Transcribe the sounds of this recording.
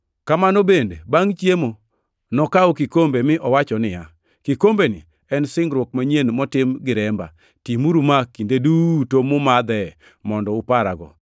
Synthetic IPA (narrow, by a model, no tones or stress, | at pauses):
kamanobendebaŋt͡ʃjemo | nɔkaokɪkombemɪʔɔwat͡ʃɔnɪja | kikombenɪ̰ | ɛnsɪŋɡɾwok̚maɲenmɔtɪmɡɪɾɛmba̰ | timuɾumakindedutomʊmad̪ɛ | mɔndɔʊpaɾa̰ɡɔ̰